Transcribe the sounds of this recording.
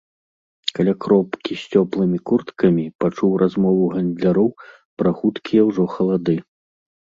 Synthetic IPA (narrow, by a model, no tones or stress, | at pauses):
kalʲakɾɔpkʲisʲt͡sʲɔplˠɨmʲikurt̪kɐmʲipat͡ʂuwrʔazmɔvuɣand̪ʲlʲaɾɔw | pɾɐxut̪kʲijɛwʐɔxɐlˠad̪ɨ